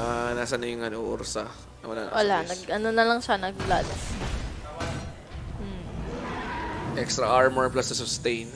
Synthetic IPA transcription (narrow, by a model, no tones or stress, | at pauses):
ʔanaːsɐnɐjʊŋɐnoʔoɾsɐ | ona̰wʔɐlanɐɡʔɐnonɐlɐŋʃanɐɡla̰ːlɐsnɐ | m̩ | ʔɛkst̪ɾɐʔaɹmɛɹplasɐsʊst̪ejn